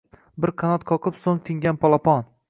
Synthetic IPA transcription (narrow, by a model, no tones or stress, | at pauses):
bɪɾqʰanɒt̪kʰɒqʰɨpsoŋt̪ʰɪŋɡʲanpʰɒlˠapɒn